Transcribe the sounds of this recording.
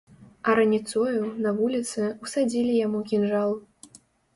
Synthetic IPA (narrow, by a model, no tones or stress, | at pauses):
ɐɾɐnʲit̪sɔjunɐvulʲit̪sɨusad͡zʲilʲijamukʲinʐalˠ